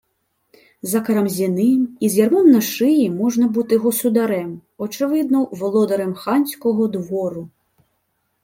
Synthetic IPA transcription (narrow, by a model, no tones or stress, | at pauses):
zɐkɐɾɐmzʲinɨmizʲjʲarmɔnːɐʂɨjimɔʐnɐbut̪ɨjɣɔsud̪aɾɛmɔt͡ʂɨvɨd̪̚nɐwvɔlˠɔd̪ɐɾɛmxanʲsʲkɔɣɔd̪vɔɾu